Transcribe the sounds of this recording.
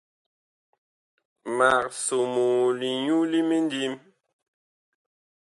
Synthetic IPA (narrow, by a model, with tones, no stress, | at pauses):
ma˨k̚so˨moː˨li˨ɲu˦li˦mi˦n˦di˦m